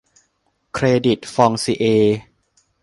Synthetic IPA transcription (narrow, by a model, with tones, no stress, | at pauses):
kʰɾeː˧di˨˩t̪̚fɔː˧ŋsiː˧˩ʔeː˧